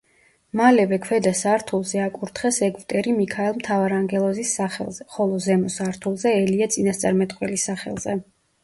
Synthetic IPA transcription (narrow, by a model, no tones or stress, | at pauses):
malɛvɛkʰwɛd̪asaɾt̪ʰulˠzɛakʼuɾt̪ʰχɛsɛɡvt̪ʼɛɾimikʰaɛlˠmt̪ʰavaɾaŋɡɛlˠɔzisːaχɛ̰lˠz̥ɛχɔlˠɔzɛmɔsaɾt̪ʰulˠzɛɛliat̪sʼinast̪sʼaɾmɛt̪ʼqʼwɛlisaχɛ̰lˠzɛ